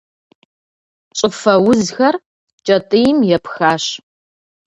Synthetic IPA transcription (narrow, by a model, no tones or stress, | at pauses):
t͡ʃʼɨfɐwʊzxɐr | t͡ʃʼɐtʼɨjmjɛpxaːɕ